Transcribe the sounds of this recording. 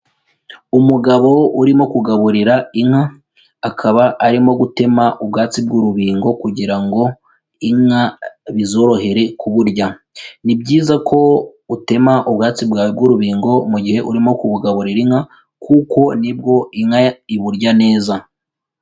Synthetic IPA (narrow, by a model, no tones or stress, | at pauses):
umuɡaβo̞uɾimo̞kuɡaβuɾiɾaiŋhaː | kʰaβaʔaɾimo̞ɡute̞maʔubɡaːt͡sib̚ɡuɾuβiːŋɡo̞kuɟiɾaŋɡo̞ | iŋaβizo̞ːɾo̞he̞ɾe̞kuβuɾɟa | nibɟiːzakʰo̞ute̞maʔubɡaːt͡sibɡabɡuɾuβiːŋɡo̞muɟihe̞ʔuɾimo̞kuβuɡaβuɾiɾiŋha | kuko̞nib̚ɡo̞iŋaiβuɾɟane̞ːza